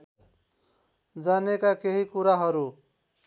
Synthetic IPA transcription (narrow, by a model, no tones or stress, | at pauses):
d͡zanekakeɦikuɾaɦʌɾu